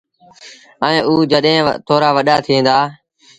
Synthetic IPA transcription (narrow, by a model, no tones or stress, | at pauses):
əẽːʔuːd͡ʒəɗɦẽːt̪ʰoːɾaːʋəɗaːt̪ʰiẽːnd̪aː